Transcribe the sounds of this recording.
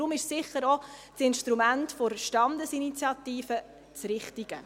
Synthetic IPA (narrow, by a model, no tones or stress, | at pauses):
ɾʊmɪʃsɪχəɾɔ | sɪnʃtɾumæntfoɾʃtɑnd̪əsinit͡sjɑt̪iːfə | t͡sɾɪχtiɡ̥ə